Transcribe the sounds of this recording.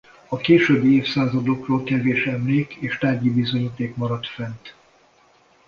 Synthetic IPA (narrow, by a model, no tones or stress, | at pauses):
ɒkeːʃøːbːieːfsaːzɒd̪okroːlkɛveːʃɛmleːkeːʃt̪aːrɟibizo̞ɲiːt̪eːkmɒɾɒt̪fɛnt̪